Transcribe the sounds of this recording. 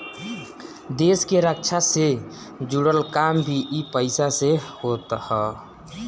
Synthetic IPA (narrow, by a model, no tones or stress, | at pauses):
d̪eskeɾəkt͡ʃʰase | d͡ʒuɽəlkambʱiʔipəɪsasehot̪hɛ